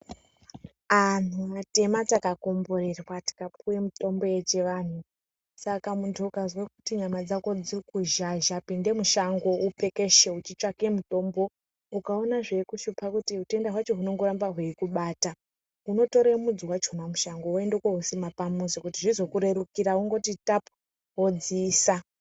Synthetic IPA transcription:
anumate̞matakako̞mborerwati̥kap̚uwemuto̞mbo̞je̞t͡ʃe̞ʋan̤u | sakamuntʰuːkazwakutiɲamad͡zako̞d͡zirikuʒaʒapinde̞muʃaŋɡo̞upe̞ke̞ʃeut͡ʃit͡ʂake̞muto̞ːmbo̞ | ukao̞naʐe̞kuʃupakutiute̞ndaɦwat͡ʃo̞ɦuno̞ŋɡoɾambaɦweikuɓaːta | ɦuno̞to̞ɾemud͡ziwat͡ʃonamuʃaŋɡo̞endekoɦusimapamusokutiʐizo̞kuɾe̞ɾukiɾauŋɡo̞titap | ɦod͡ziːsa

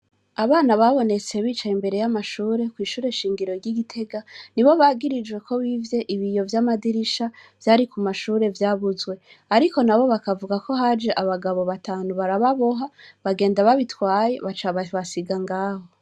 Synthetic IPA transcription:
aβaːnaβaβo̞ne̞t͡se̞βiːt͡ʃaimbe̞ɾe̞jamaʃuːɾe̞kwiːʃuːɾe̞ʃiːŋɡiɾo̞ɾɟiɡitʰe̞ɡaniβo̞βaːɡiɾid͡ʒɡwe̞kʰo̞βivje̞ʔiβijo̞vjamadiɾiʃavjaːɾikumaʃuːɾe̞vjaːβuzɡwe̞ | aɾiko̞naβo̞βakavuɡako̞ɦad͡ʒe̞ʔaβaɡaβo̞βataːnuβaɾaβaβo̞ɦaβaɡe̞ːndaβaβitwaːje̞βat͡ʃaβaβasiɡaŋɡaːho̞

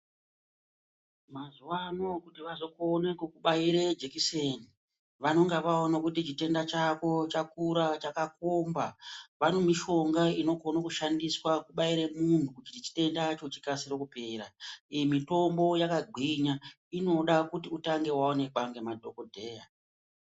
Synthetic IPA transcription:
mazuwano̞kutiʋazokonekukuɓaiɾed͡ʒekiseni | ʋano̞ŋɡeʋaonakutit͡ʃite̞ndat͡ʃako̞t͡ʃakuɾat͡ʃakakombaʋano̞miʃo̞ŋɡaino̞konokuʃandiswakuɓaiɾe̞muntukut͡ʃitit͡ʃi̥te̞ndat͡ʃo̞t͡ʃi̥kasiro̞kupe̞ːɾaijemito̞mbo̞jakaɡʱiɲa | ino̞ɗakutiutaŋɡe̞waone̞ɓaŋɡemadʱo̞kodʱe̞ːja

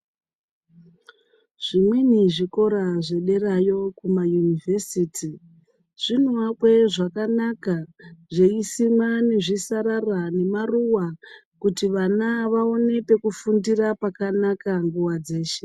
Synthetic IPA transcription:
ʐ̥imweniʐiko̞ɾaʐe̞ɗe̞rajo̞kumajunivʱesiːtʰi | ʐ̥in̤uwakwe̞ʐakanakaʐeisimwane̞ʐisaɾarane̞maruwa | kutiʋanaʋao̞ne̞pe̞kufundirapakanakaŋɡuwad͡ze̞ːʃe

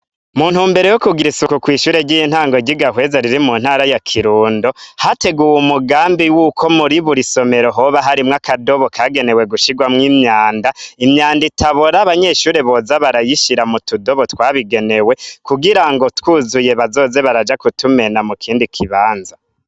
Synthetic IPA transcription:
muːn̥humbe̞ɾe̞jokuɡiɾisukukwiːʃuːɾe̞ɟijin̥haːŋɡoɟiɡahwe̞ːzaɾiɾimuːn̥haːɾajakʰiɾuːndohate̞ɡuwumuɡaːmbiwukʰo̞muɾiβuɾiso̞me̞ɾo̞ɦoβaɦaɾimŋakado̞βo̞kʰaːɡe̞ne̞we̞ɡuʃiɡwamŋiːmɲaːndaimɲaːnditʰaβoɾaβaɲe̞ːʃuːɾe̞βo̞zaβaɾajiʃiɾamutudo̞βo̞twaːβiɡe̞ne̞we̞kuɡiɾaŋɡo̞twuːzuje̞βazo̞ːze̞βaɾad͡ʒakutume̞namukʰiːndikʰiβaːnza

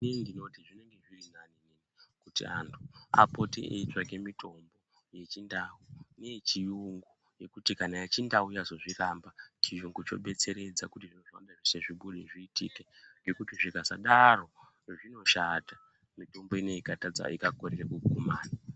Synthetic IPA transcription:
nindino̞tiʐine̞ŋɡe̞ʐirinanininikutḭa̰ntʰua̰po̞tḭʔḛitwakemitʰo̞mbo̞ | je̞t͡ʃindaunet͡ʃijuŋɡu | je̞kutikanajet͡ʃindauijazoʐirambat͡ʃijuŋɡut͡ʃo̞̰ɓe̞t͡se̞ɾe̞d͡zakutiʐinoʐa̰ɗaʐiseʐiɓuɗeʐiːtḭkeŋɡe̞kutiʐiɡʱazaɗaro̞ | ʐino̞ʃata | mito̞mbo̞ine̞ikatad͡za̰ikakorerekukumaːna

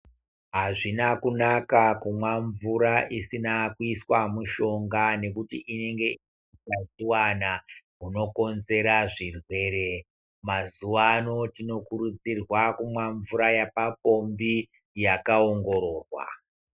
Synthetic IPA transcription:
ɦaʐinakunakakumwaɱvuɾaʔisinakuiswamuʃo̞ŋɡane̞kutiʔine̞ŋɡe̞ | it͡ʃaziwanaɦuno̞ko̞nze̞ɾaʐirwe̞ːɾe̞ | mazuʋano̞tino̞kuɾud͡zirwakumwaɱvuɾajapapo̞mbi | jakaoŋɡo̞ɾo̞ːrwa̰

